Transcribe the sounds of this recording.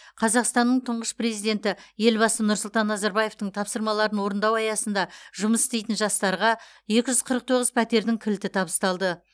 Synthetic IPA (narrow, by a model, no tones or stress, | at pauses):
qʰɑzɑqst̪ɑnːəɴt̪ʰəɴʁəspre̞zijd̪e̞nt̪ɪje̞lbɑsənʊɾsʊlˠt̪ɑnːɑzɑɾbɑje̞ft̪əɴt̪ʰɑpsəɾmɑlˠɑɾənwo̞ɾənd̪ɑwɑjɑsənd̪ɑʒʊməsɪ̥st̪e̞jt̪ɪnʒɑst̪ɑɾʁɑje̞kʲɪʒʏzqʰəɾəq̚t̪ʰo̞ʁəzpʰæt̪e̞ɾd̪ɪŋkʲʰɪlt̪ɪt̪ʰɑbəst̪ɑlˠd̪ə